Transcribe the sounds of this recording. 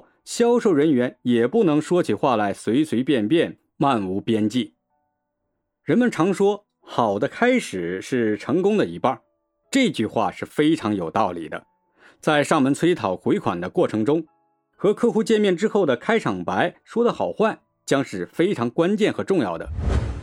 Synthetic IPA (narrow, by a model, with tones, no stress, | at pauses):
ɕjɑ˥ʊʂo˥˩ʊɻə˧˥nɥɛ˧˥njɛ˨˩pu˥˩nɤ˧˥ŋʂwɔ˥t͡ɕʰi˨xwa˥˩la˧˥ɪswe˧˥ɪsʰwe˧˥ɪpjɛ˥˧npjɛ˥˧n | ma˥˩nu˧˥pjɛ˥nt͡ɕi˥˩ | ɻə˧˥nmə˨nʈ͡ʂʰɑ˧˥ŋʂwɔ˥ | xɑ˨˩ʊd̪ə˦kʰa˥ɪʂɻ̩˨˩ʂɻ̩˥˩ʈ͡ʂʰɤ˧˥ŋkʊ˥ŋd̪ə˨i˧˥pa˥˧˩ | ʈ͡ʂɤ˥˧i˧t͡ɕy˥˧xwa̰˥˧ʂɻ̩˥˩fe˥ɪʈ͡ʂʰɑ˧˥ŋjo˨˩ʊt̪ɑ˥˩ʊlḭ˨˩d̪ə̰˦ | t͡sa˥˧ɪʂɑ˥˩ŋmə˧˥nt͡sʰwe˥ɪt̪ʰɑ˨˩ʊxwe˧˥ɪkʰwa̰˨˩nd̪ə˦kwɔ˥˩ʈ͡ʂʰɤ˧˥ŋʈ͡ʂʊ˥ŋ | xɤ˧˥kʰɤ˥xu˥t͡ɕjɛ˥˧nmjɛ˥˩nʈ͡ʂɻ̩˥xo˥˩ʊd̪ə˩kʰa˥ɪʈ͡ʂʰɑ˨˩ŋpa˧˥ɪʂwɔ˥d̪ə˨xɑ˨˩ʊxwa˥˩n | t͡ɕjɑ˥ŋʂɻ̩˥˩fe˥ɪʈ͡ʂʰɑ˧˥ŋkwa˥nt͡ɕjɛ˥˩nxɤ˧˥ʈ͡ʂʊ˥˧ŋjɑ̰˥˩ʊd̪ə̰˩